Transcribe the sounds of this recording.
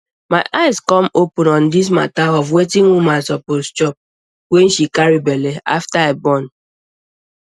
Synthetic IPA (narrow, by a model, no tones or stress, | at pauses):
maɪʔaɪskɔmopʊnɔ̃ndis̬ma̰taɔvwetiŋumãsɔpost͡ʃɔp̚ | wen̩ʃikaɾibelea̰ftaebɔn